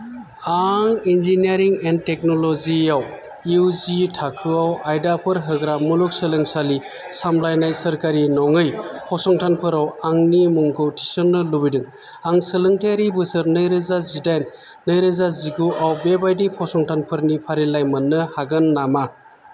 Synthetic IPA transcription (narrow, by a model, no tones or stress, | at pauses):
aŋinziniaɾiŋentek̚noloziaw | wzitʰakʰɯawajdapʰɯɾɦɯɡɾamuluk̚sɯlɯŋsali | samlajnajsɐɾkaɾinɔŋɯjpʰɔsɔŋtʰanpʰɯɾawaŋnimɔŋkʰɯwtʰi̥sɔnːɯlubidɯŋ | aŋsɯlɯŋtʰeɾibɯsɯɾnɯjɾɯzazidajnː | ɯjɾɯzaziɡuʔawbebajdipʰɔsɔŋtʰanpʰɯɾnipʰaɾilajmɐnːɯhaɡɯnːama